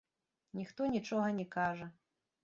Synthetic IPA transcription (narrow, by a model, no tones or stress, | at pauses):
nʲixt̪ɔnʲit͡ʂɔɣɐnʲɛkaʐɐ